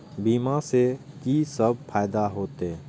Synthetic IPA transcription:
biːmãse | kisəbpʰaːjd̪aɦoːt̪e

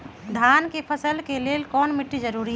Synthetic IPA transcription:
d̪ʱankepʰəsəlkelelkɔnmiʈːid͡ʒəɾuɾiɦɛ

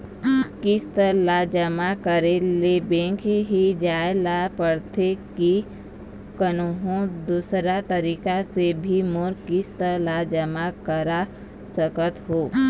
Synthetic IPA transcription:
kɪst̪əlad͡ʒəmakəɾelebẽŋkɦid͡ʒaːelapəɽt̪ʰeki | kənoɦõd̪uːsɾat̪əɾiːkasebʱimoɾkist̪əɾlad͡ʒəmakəɾa | səkət̪ɦoː

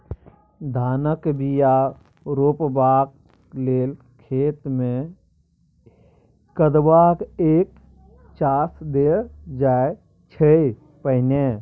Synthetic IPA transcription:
d̪ʱaːnəkbija | ɾoːpbaːk̚ | leːl | kʰeːt̪mẽ | kəd̪bakeːk̚ | t͡ʃaːsd̪ed͡ʒae | t͡ʃʰəi | pəɪne

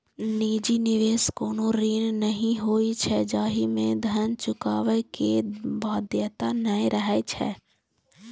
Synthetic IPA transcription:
niːd͡ʒinɪʋeːskoːnoɾiːnnəɦĩɦoːit͡ʃʰɛd͡ʒaːɦimẽd̪ʱənt͡ʃʊkaːʋekebaːd̪jət̪anəẽɾəɦet͡ʃʰɛ̰ː

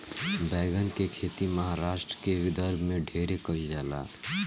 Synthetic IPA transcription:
bɛːɡənkekʰeːt̪imɐɦaɾaːʃʈɾəkeʋɪd̪əɾbʱmẽɖʱeːɾekɐid͡ʒaːla̰ː

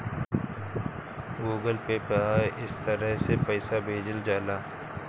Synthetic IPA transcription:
ɡuːɡəlpepaːeʔɪst̪əɾəɦsepəːsabʱeːd͡ʒəld͡ʒaːlaː

